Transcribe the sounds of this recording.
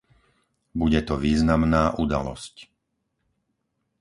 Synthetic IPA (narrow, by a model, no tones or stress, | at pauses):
buɟɛt̪ɔʋiːznamnaːʔud̪a̰lɔ̰sc